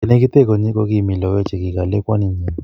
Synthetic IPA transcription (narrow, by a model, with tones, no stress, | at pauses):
i˨ne˦k̬i˦t̪ɛ˦k̬ɔ˨ɲi˦k̬ʼɔ˦k̬i˦mi˨lɔ˨wɛ̥˦d͡ʒ̥ʱɛ˨k̬i˨ka˨lɛ˦kwa˦ni˨ɲɛ˨n